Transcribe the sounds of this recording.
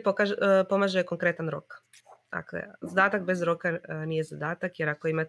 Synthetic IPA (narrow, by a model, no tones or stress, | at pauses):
pokaʒpo̞maʒeko̞ŋkɾe̞t̪anɾo̞̰k | d̪̥a̰klḛzad̪aːt̪akbe̞zɾo̞kanije̞zad̪aːt̪akje̞ɾakoimat̪